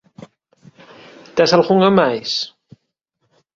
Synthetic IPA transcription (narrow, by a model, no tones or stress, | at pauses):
t̪asalxuŋamajs